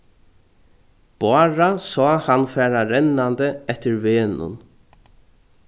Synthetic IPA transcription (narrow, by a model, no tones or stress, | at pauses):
b̥ɑːɹasɔːhanfɛːɾaɾɛnːand̪əɛht̪ɪɾveːnʊ̰n